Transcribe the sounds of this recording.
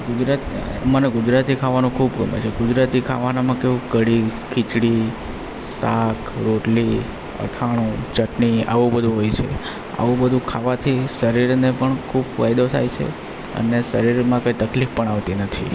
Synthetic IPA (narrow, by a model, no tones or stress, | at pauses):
ɡud͡ʒɾat̪iməneɡʊd͡ʒɾat̪ikʰaʋanũkʰubɡəmḛt͡ʃʰeɡʊd͡ʒɾat̪ikʰa̰ʋanamãkeʋũɡəɽikʰɪt͡ʃɽi | sakʰɾoʈli | ə̰t̪ʰaɽ̃ũt͡ʃəʈnia̰ʋũbəd̪ʱũɦojt͡ʃʰḛ | a̰ʋũbəd̪ʱũkʰaʋat̪ʰisəɾiɾnepəɳkʰubfajd̪ot̪ʰa̰jt͡ʃʰḛ | ə̰nesəɾiɾmãkoit̪əklifpəɳaʋt̪inət̪ʰḭ